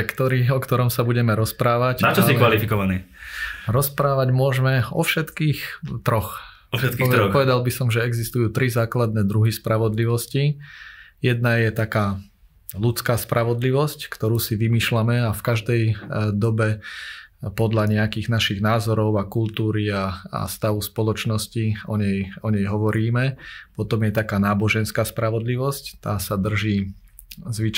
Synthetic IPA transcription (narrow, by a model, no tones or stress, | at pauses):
kt̪ɔɾiːxɔkt̪ɔɾɔmsabuɟɛmɛɾɔspɾaːʋaɟnat͡ʃɔsiʋalifikɔʋaniːɾɔspɾaːʋaɟmʊɔʒmɛɔfʃɛt̪kiːxt̪ɾɔx | ʃɛt̪kipɔʋɛd̪albisɔmʒɛɛɡzist̪ujuːt̪ɾizaːklad̪nɛːd̪ɾuɦispɾaʋɔd̪liʋɔsci | jɛd̪najɛt̪akaː | lut͡skaːspɾʔaʋɔd̪liʋɔsckt̪ɔɾuːsiʋimiːʃlamɛafkaʒd̪ɛjd̪ɔbɛ | pɔd̪ʎaɲɛakiːɣnaʃiɣnaːzɔɾɔʊakult̪uːɾiaa̰st̪aʋuspɔlɔt͡ʃnɔsciɔɲɛjɔɲɛjɦɔʋɔɾiːmɛpɔt̪ɔmjɛt̪akaːnaːbɔʒɛnskaːspɾaʋɔd̪liʋɔsct̪aːsad̪r̩ʒiː | zʋit͡ʃ